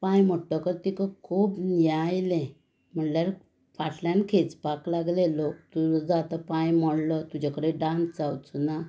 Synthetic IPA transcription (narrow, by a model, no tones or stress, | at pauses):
pãjm̤ɔʈːəkəɾt̪ikəkʰupnjajlɛ̃ | m̤əɳljaɾ | paʈljãnkʰet͡spaklaɡlelokt̪ud͡zat̪əpãjmɔɽlət̪ud͡ʑakəɽeɖãnsd͡zawt͡suna